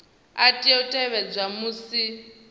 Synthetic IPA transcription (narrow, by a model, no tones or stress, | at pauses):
atʼiɔtʼɛβɛd͡zʷamusi